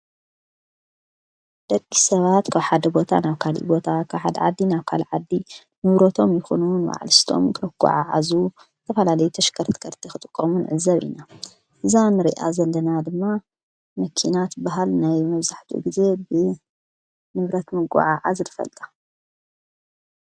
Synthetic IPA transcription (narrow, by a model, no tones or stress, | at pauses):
d̪̥ɐkʼːisɐβat̪kʰaβħad̪ɐbo̞t̪ʰa̰naβkʰalḭbo̞t̪ʰakʰaβħad̪ɐ̰ʕa̰d̪ːinaβkʰa̰lʕad̪ːi | nɨβɾot̪ʰo̞mjɪxonunwa̰ʕlɨst̪ʰo̞̰mkʰɐɡ̥ʷʼa̰ʕaʕa̰zu | t̪ʰɐfɐlalɐjut̪ʰɐʃkʰɐɾt̪ʰɨ̥kʰɐɾt̪ʰixɨt̪ʼɨkʼːɐmunʕɨzɐβʔḭna | ʔɨzanɨɾḭʔa̰zɐlːɐnad̪ɨmːa | mɐkʰinat̪baɦalnajmɐβzaħt̪ʰṵɡize̞bɨ | nɨβɾɐt̪mɨɡʷa̰ʕaʕazt̪ʰɨfɐ̰lt̪ʼḁ